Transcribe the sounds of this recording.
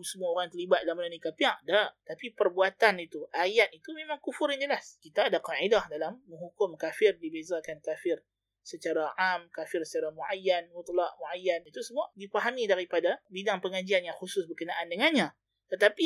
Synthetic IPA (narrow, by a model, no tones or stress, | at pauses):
səmuaoɾaŋt̪ərlibat̪̚dalamənənikapiaʔdaʔt̪apipərbuat̪anit̪uʔajat̪̚it̪umẽmãŋkufʊɾjaɲd͡ʒəlaskit̪aːdaqaʔidahdalamːəŋɦukʊmkafɪrdibezakankafɪr | sət͡ʃaɾaamkafɪrsə̥t͡ʃaɾamuʔajːanwut̪laʔmuʔajːanit̪usəbaʔdipaɦamidaɾipadabidaŋpəŋad͡ʒianjaŋxusʊsbərkənaʔandəŋanɲã | t̪ət̪api